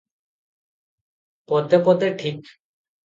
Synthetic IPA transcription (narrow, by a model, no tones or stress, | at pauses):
pɔt̪epɔt̪eʈʰik